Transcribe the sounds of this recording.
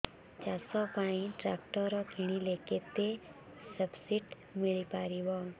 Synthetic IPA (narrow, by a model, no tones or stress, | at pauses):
t͡ʃasɔpaɽ̃iʈɾakʈəɾɔkʰiɽ̃ileket̪e | səbsiʈ | miɭipaɾiʋɔ